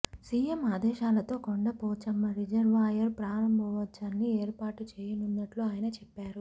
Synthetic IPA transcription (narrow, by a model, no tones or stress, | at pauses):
siːjemaːd̪ɛːʃaːlɐt̪o̞ːkoɳɖɐpoːt͡ʃɐmːɐɾid͡ʒɐɾʋaːjɐɾpɾaːɾɐmbʱɐʋɐt͡ʃːɐnːieːɾpaːʈut͡ʃeːjɐnunːɐʈloːaːjɐnɐt͡ʃɛpːaːɾu